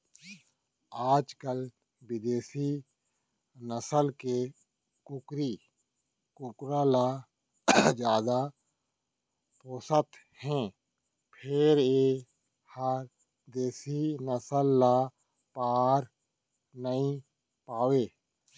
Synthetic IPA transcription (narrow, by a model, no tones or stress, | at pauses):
aːd͡ʒkəl | wɪd̪eːsi | nəsəlke | kʊkɾi | kʊkɾala | d͡ʒjaːd̪a | poːsət̪ | hɛ̃ | pʰɪɾeː | həɾ | d̪eːsinəsəlːa | paːɾ | nəĩ | paːweː